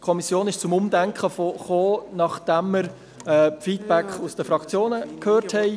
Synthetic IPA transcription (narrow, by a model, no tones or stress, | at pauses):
kʰɔmisjoːnɪʃt͡sʊmʊmdæŋkχəfoχoːnɑχd̥æmːəɾ | ɛfiːtb̥ækχusd̥əfɾɑkt͡sjoːnəkʰhøːɾthɛɪ